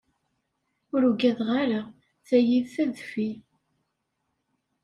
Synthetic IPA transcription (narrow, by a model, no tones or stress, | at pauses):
ʊɾuɡæðʁaɾa | θæjiðθæðfi